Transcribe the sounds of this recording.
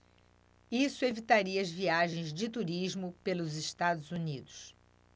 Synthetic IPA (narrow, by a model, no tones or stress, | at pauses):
isʊevit̪aɾiɐɐzviaʒẽj̃zd͡ʒɪt̪uɾiʒmʊpelʊzɪʃt̪ad̪ʊzunid̪ʊs